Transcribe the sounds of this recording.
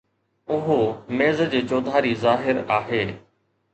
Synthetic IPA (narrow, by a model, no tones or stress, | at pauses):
ʊɦomeːzəd͡ʑeːt͡ɕoːd̪ʱaːɾizaːɦɪɾaːɦeː